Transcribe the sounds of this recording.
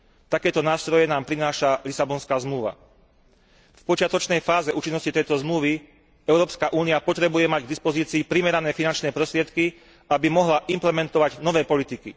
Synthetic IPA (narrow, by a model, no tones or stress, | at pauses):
t̪akɛːt̪ɔnaːst̪ɾɔjɛnaːmpɾinaːʃalisabɔnskaːzmluʋa̰ | fpɔt͡ʃɪat̪ɔt͡ʃnɛjfaːzɛʔuːt͡ʃinːɔscit̪ɛjt̪ɔzmluʋi | ɛʊɾɔːpskaʔuːniapɔt̪ɾɛbujɛmaɟɡd̪ispɔziːt͡siːpɾimɛɾanɛːfinant͡ʃnɛːpɾɔst̪ɾɪɛt̪ki | abimɔɦlaʔimplɛmɛnt̪ɔʋaɟnɔʋɛːpɔlit̪iki